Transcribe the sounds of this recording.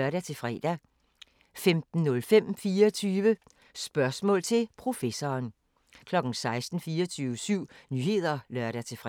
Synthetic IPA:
œɐɾæt͡sʰe̝fʁɛ̰ːd̥æ | femd̥n̩ːɔ̽lfem̰fiːɒt͡sʰyːʋə | sb̥ɶɐsmɔ̰̽ːlt͡sʰe̝lpʰʁo̝fesɒːn | kʰlɒ̽ɡ̥n̩sɑ̈ɪsd̥n̩fiːɒt͡sʰyːʋəsyʊ̰nyːhe̝ð̞̰ˠɐlɶɐɾæt͡sʰe̝fʁ

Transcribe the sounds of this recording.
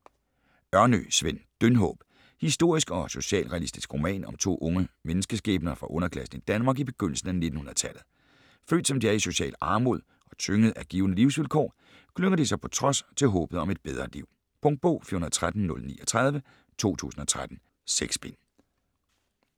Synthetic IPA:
ɶɐnø̰sʋend̥ønɦɔ̰ːb̥ | hisd̥o̝ɐ̰isɡ̥ɒ̽so̝ɕɛ̰ːlʁɛælisd̥isɡ̥ʁo̝mɛ̰ːnɒ̽mt͡sʰo̝̰ːʔɔ̽ŋəmenəsɡ̥əsɡ̥ɛ̰ːb̥nɐːfʁɑ̈ʔɔ̽nɐkʰlæsn̩id̥ænmɑ̈ːɡib̥e̝ɡ̥øn̰l̩sn̩æne̝d̥n̩hunɐð̩ˠt͡sʰælð̩ˠ | fø̰ːd̥sɒ̽md̥iæɐiso̝ɕɛ̰ːlɑ̈ːmo̝ðˠ | ɒ̽t͡sʰøŋəð̩ˠæɡ̥iːʊnəliʊsʋilkʰɒ̰ː | kʰløŋɐd̥isɑ̈ɪpʰɒ̽t͡sʰʁɒ̽st͡sʰe̝lɦɔ̽ːb̥ð̩ˠɒ̽me̝d̥b̥eð̞ˠʁɐliʊ̰ | pʰɔ̽ŋd̚b̥ɔ̰ːfiːɐhunɐð̩̥ˠt͡sʰʁad̥n̩ːɔ̽lnḭːɒt͡sʰʁað̞ˠʋə | t͡sʰo̝̰ːt͡sʰṵːsn̩ɒ̽t͡sʰʁad̥n̩ | seɡ̥sb̥en

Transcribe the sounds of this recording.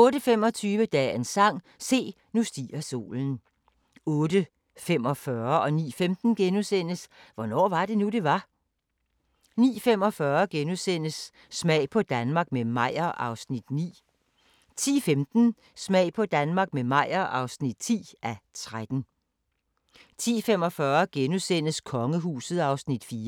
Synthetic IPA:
ɔ̽ːɾəfem̰ɒ̽t͡sʰyːʋəd̥ɛ̰ːensɑ̈ŋ̰ | se̝̰ː | nusd̥iːɐso̝̰ːln̩ | ɔ̽ːdə | fem̰ɒfɶɐɒ̽nḭːfemd̥n̩ɡ̥enusen̰əsʋɒnɒ̰ːʋɑ̈d̥e̝nude̝ʋɑ̈ | nḭːfem̰ɒ̽fɶɐɡ̥enusen̰əsː | mɛ̰ɪ̰pʰɒ̽d̥ænmɑ̈ɡ̥̚memɑ̈ɪ̰ɐʔɑ̈ʊsnid̥nḭː | t͡sʰḭːfemd̥n̩ | smɛ̰ɪ̰pʰɒ̽d̥ænmɑ̈ːɡ̥memɑ̈ɪ̰ɐʔɑ̈ʊsnid̥̚t͡sʰḭːʔæt͡sʰʁad̥n̩ | t͡sʰḭːfem̰ɒ̽fɶɐɡ̥enusen̰əskʰɒ̽ŋəɦuːsð̩ˠɑ̈ʊsnid̥fiːɐ

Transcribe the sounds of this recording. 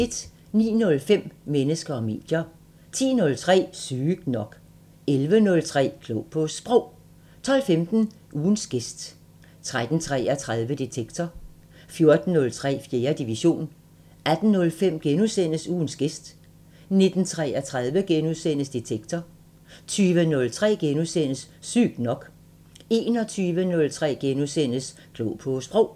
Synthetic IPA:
e̝d̥ | nḭːnɔ̽lfem̰menəsɡ̥ɐɒ̽me̝̰ːd̥jɐ | t͡sʰḭːnɔ̽lt͡sʰʁɛ̰ːsyːɡ̥nɒ̽ɡ̥ | elʋənɔ̽lt͡sʰʁɛ̰ːkʰlopʰɔ̽sb̥ʁɔʊ̰ | t͡sʰɒ̽l̰femd̥n̩ | ʔuːnsɡ̥e̝sd̥ | t͡sʰʁad̥n̩t͡sʰʁɛ̰ːæt͡sʰʁað̞ˠʋəd̥et͡sʰeɡ̥t͡sʰɒ | fjo̝ɐd̥n̩ːɔ̽lt͡sʰʁɛ̰ːfje̝ːɐd̥iʋiɕo̝̰ːn | æd̥n̩nɔ̽lfem̰ɡ̥enusen̰əsuːn̩sɡ̥e̝sd̥ | ne̝d̥n̩t͡sʰʁɛæt͡sʰʁað̞ˠʋəɡ̥enuðˠsen̰əsd̥et͡sʰeɡ̥t͡sʰɒ | t͡sʰyːʋənɔ̽lt͡sʰʁɛ̰ːɡ̥enusen̰əsːy̰ɡ̥̚d̥nɒ̽ɡ̥ | e̝ːnɒ̽t͡sʰyːʋənɔ̽lt͡sʰʁɛ̰ːɡ̥enusen̰əs | kʰlɔʊpʰɔsb̥ʁɔʊ̰

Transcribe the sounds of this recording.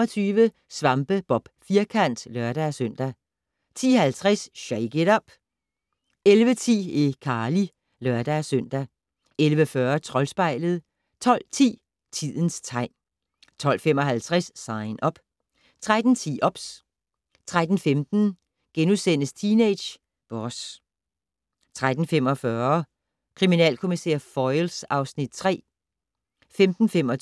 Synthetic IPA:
ɒt͡sʰyːʋə | sʋɑ̈mb̥əb̥ɒ̽b̥fiɐkʰæn̰d̥lɶɐɾ̥æsøn̰d̥æ | t͡sʰḭːhælt͡sʰʁɛsɕeɪɡ̥eɾɒb̥ | elʋət͡sʰḭːikʰɑ̈ːli | lœɐd̥æsøn̰d̥æ | elʋəfɶːɐt͡sʰʁɒ̽lsb̥ɑ̈ɪ̰ləð̞̩ˠ | t͡sʰɒ̽l̰t͡sʰḭː | t͡sʰið̰ˠən̩st͡sʰɑ̈ɪ̰n | t͡sʰɒ̽l̰femɒ̽ɦælt͡sʰʁasːɑ̈ɪnʔɒ̽b̥ | t͡sʰʁad̥n̩t͡sʰḭːʔɒ̽b̥s | t͡sʰʁad̥n̩femd̥n̩ | ɡ̥enusen̰əst͡sʰiːneɪd̥ɕ | b̥ɒs | t͡sʰʁad̥n̩fem̰ɒfɶːɐ | kʰʁiminɛ̰ːlkʰo̝misḛɐfɒɪlsɑ̈ʊsnid̥̚t͡sʰʁɛ̰ː | femd̥n̩femɒ

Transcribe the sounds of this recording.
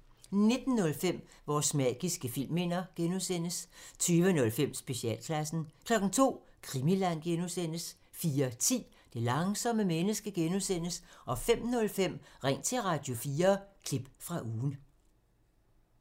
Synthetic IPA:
ne̝d̥n̩ːɔ̽lfem̰ | ʋɒːsmɛɡ̥isɡ̥əfil̰me̝n̰ɐɡ̥enusen̰əst͡sʰyːʋənɔ̽lfem̰sb̥e̝ɕiɛ̰ːlkʰlæsn̩kʰlɒ̽ɡ̥n̩t͡sʰo̝̰ː | kʰʁimilæn̰ɡ̥enusen̰əs | fiːɐt͡sʰḭː | d̥e̝lɑ̈ŋsɒ̽məmenəsɡ̥əɡ̥enusen̰əsʔɒ̽fem̰nɔ̽lfem̰ʁeŋ̰t͡sʰe̝ʁɑ̈d̥jo̝fiːɐkʰlib̥fʁɑ̈ʔuːn̩

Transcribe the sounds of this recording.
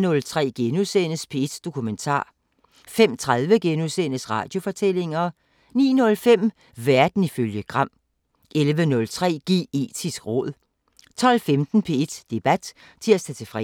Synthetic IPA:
nɔ̽lt͡sʰʁɛ̰ːɡ̥enusenəspʰe̝ed̥d̥o̝kʰument͡sʰɑ̰̈ː | fem̰t͡sʰʁaðˠʋəɡ̥enusenəsʁɑ̈ːd̥jo̝fɒ̽t͡sʰel̰e̝ŋɐ | nḭːnɔ̽lfem̰ | ʋæɐd̥n̩iføljəɡ̥ʁɑ̈m̰ | ʔelʋənɔ̽lt͡sʰʁɛ̰ːɡ̥e̝̰ːe̝̰ːd̥ʰisɡ̥ʁɔ̰̽ðˠ | t͡sʰɒ̽l̰femd̥n̩pʰe̝ed̥d̥e̝b̥æd̥ | t͡sʰe̝æsd̥æt͡sʰefʁɛ

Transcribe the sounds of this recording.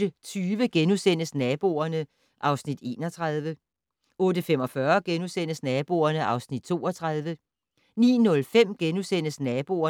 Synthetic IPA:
ət͡sʰyːʋəɡ̥enusen̰əsnɛːb̥o̝̰ɐnə | ʔɑ̈ʊsnid̥e̝̰ːnɒ̽t͡sʰʁaðˠʋə | ɔ̽ːdəfem̰ɒ̽fɶɐɡ̥enusen̰əsnɛːb̥o̝̰ːɐnəʔɑ̈ʊsnid̥̚t͡sʰo̝̰ːɒt͡sʰʁað̞ˠʋə | nḭːnɔ̽lfem̰ɡ̥enusen̰əsnɛːb̥o̝ɐ

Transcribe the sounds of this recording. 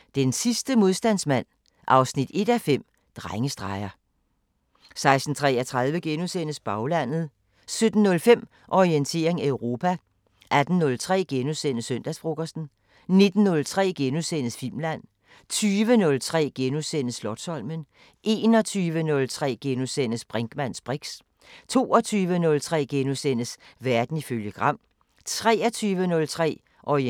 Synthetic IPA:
d̥ensisd̥əmo̝ð̞ˠsd̥æn̰smæn̰ | ʔɑ̈ʊsnid̥e̝d̥æfem̰ | d̥ʁaŋəsd̥ʁɑ̈ɪɐ | sɑ̈ɪsd̥n̩t͡sʰʁɛ̰ːæt͡sʰʁɑð̞ˠʋəɡ̥e̝nusenəsb̥ɑ̈ʊlæn̰ð̞̩ˠ | sød̥n̩ːɔ̽lfem̰ | ʔɒient͡sʰe̝̰ɐ̰e̝ŋæøʊʁo̝ːpʰæ | ʔæd̥n̩ːɔ̽lt͡sʰʁɛ̰ːɡ̥enusen̰əsøn̰d̥æsb̥ʁo̝ɡ̥ɐsn̩ | ne̝d̥n̩ːɔ̽lt͡sʰʁɛ̰ːɡ̥e̝nusen̰əsfil̰mlæn̰ | t͡sʰyːʋənɔ̽lt͡sʰʁɛ̰ːɡ̥enusenəslɒd̥sɒ̽l̰mən | ʔe̝ːnɒ̽t͡sʰyːʋənɔ̽lt͡sʰʁɛ̰ːɡ̥e̝nusen̰əsb̥ʁɛŋɡ̥mæn̰sb̥ʁiɡ̥s | t͡sʰo̝̰ːɒ̽t͡sʰyːʋənɔ̽lt͡sʰʁɛ̰ːɡ̥enusenəsʋæɐd̥n̩iføljəɡ̥ʁɑ̈m̰ | t͡sʰʁɛ̰ːɒt͡sʰyːʋənɔ̽lt͡sʰʁɛ̰ː | ʔɒi

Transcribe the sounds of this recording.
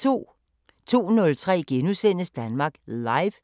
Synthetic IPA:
o̝̰ | t͡sʰo̝̰ːnɔ̽lt͡sʰʁɛ̰ːɡ̥enusen̰əsd̥ænmɑ̈ːɡ̥lɑ̈ɪʋ

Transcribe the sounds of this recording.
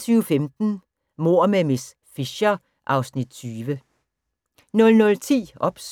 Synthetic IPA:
t͡sʰyːʊfemd̥n̩ | mo̝ɐ̰memes | fiɕɐ | ʔɑ̈ʊsnid̥̚t͡sʰyːʋə | nɔ̽lnɔ̽lt͡sʰḭːɒ̽b̥s

